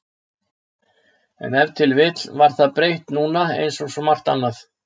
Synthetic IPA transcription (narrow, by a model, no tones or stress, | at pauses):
ɛ̰nɛvt̪ʰɪlvɪt̪lvaɾ̥θaðpɾejht̪nuːnaḛjnsɔsɔmar̥t̪a̰nːaθ